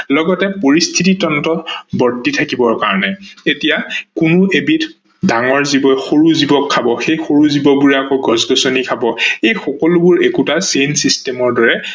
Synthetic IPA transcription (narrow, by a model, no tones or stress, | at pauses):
lɔɡɔtɛpoɹistʰititɔntɔtbɔɹditʰakibɔɹkaɹɔnɛetijakʊnʊʔebit | daŋɔɹzibɔjxoɹuzibɔkʰːabɔxejxoɹuzibɔbuɹɛakoɡɔzɡɔsonikʰabɔejxɔkɔlʊbʊɹekutasensistɛmɔɹdɔɹɛ